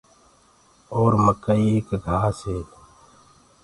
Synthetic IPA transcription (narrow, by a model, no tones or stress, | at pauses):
oːɾməkəieːkɡʱaːseː